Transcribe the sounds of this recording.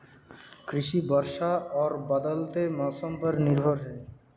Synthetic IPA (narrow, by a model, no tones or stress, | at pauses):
kɾiʃibɔɾʃaɔɾbad̪alt̪emasɔmpaɾniɾbʱoɾɦɔe